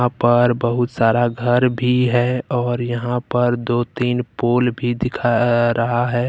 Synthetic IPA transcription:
ãpəɾbəɦʊt̪saːɾaɡʱəɾbʱiɦɛɔːɾjɐɦãpəɾd̪oːt̪iːnpoːlbʱid̪ɪkʰaɾɐɦaɦɛː

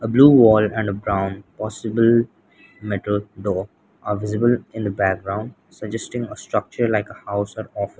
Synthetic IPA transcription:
əbluːʋɔːlɛ̃ɳɖəbɾãʊ̃npɔːsɪbəl | mɛʈəlɖoː | ʔaːʋɪzɪbəlɪ̃nd̪əbæk̚ɡɾãʊ̃ɳɖ | səd͡ʒɛsʈɪ̃ŋəsʈɾʌk̚t͡ʃəɾlaɪkəhaʊsɔːɾɔːfə̃

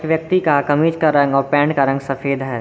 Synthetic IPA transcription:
ʋjɐk̚t̪ikakɐmiːd͡ʒkaɾɐ̃ŋɡɔːɾpɛ̃ːɳɖkaɾɐ̃ŋɡsɐfeːd̪ɦɛː

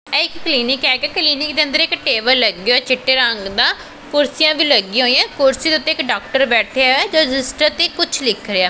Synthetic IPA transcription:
ɛɪkːliːnɪkɛːkekliːnɪk̚d̪eːə̃nd̪əɾɪkʈeːʋəlləɡeoɛːt͡ʃʰɪʈːeːɾəŋɡd̪ãː | kʊɾsijãːʋiːləɡːĩːoːijãːkʊɾsiːd̪eʊt̪ːẽːɪkɖaːkʈəɾbɛːʈʰeɛːd͡ʒoːd͡ʒɪsʈət̪eːkʊt͡ʃʰlɪkʰɾeaː

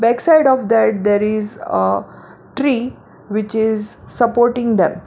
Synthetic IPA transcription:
bɛksaɪɖɔʋd̪ɛʈ̚d̪eːɾɪzə | ʈɾiː | ʋɪt͡ʃɪzsəpoːɾʈĩŋɡd̪ḛ̃m

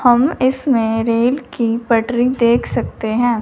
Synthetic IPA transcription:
hɐmɪsmẽɾeːlkipɐʈɾid̪eːkʰsɐk̚t̪eɦɛ̃ː

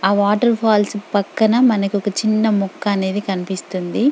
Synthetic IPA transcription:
aːʋaːʈɐɾpʰaːlspɐkːɐnɐmɐnɐkiɔkɐt͡ʃinːɐmɔkːɐːne̞ːd̪ikɐnipist̪und̪i

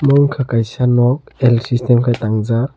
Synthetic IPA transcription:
mɔŋkʰakajsanɔk̚ɛlsistɛmkʰajt̪aŋza

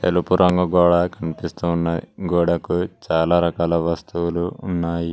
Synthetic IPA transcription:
t̪elupuɾɐŋɡɐɡɔːɽakʰɐnipist̪uːnːɐɡɔːɽɐkut͡ʃaːlaːɾɐkaːlɐʋɐst̪uwuluːnːaːji

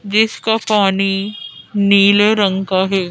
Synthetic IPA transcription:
d͡ʒɪskapaːni | niːleɾɐ̃ŋkaɦɛː

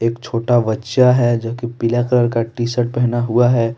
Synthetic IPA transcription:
eːkt͡ʃʰoːʈaʋɐtːʃaɦɛd͡ʒoɦkepɪlekləɾkaʈiːsəʈ̚pɛɦnaɦuaɦɛː

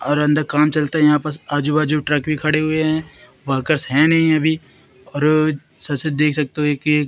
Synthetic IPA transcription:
ɔːɾɐ̃nd̪əɾkaːmt͡ʃɐlt̪aɦɛjɐɦãpəɾsaːd͡ʒubaːd͡ʒuʈɾɐkbʱikʰɐɽeɦʊeɦɛ̃ː | ʋəɾkəɾsɦɛ̃nɐɦĩɐbʱi | ɔːɾ | sɐsed̪eːkʰsɐk̚t̪eɦõeːkː

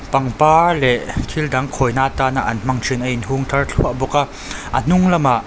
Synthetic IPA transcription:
pɐŋpaːlɛʔk̪ʰildɐŋkʰɔjnaːt̪aːnaʔɐnm̥ɐŋt͡ʃʰinʔɐinɦuŋt̪ʰɐrɬʰuɐʔbɔkaʔ | ʔən̥ʊŋlɐmaʔ

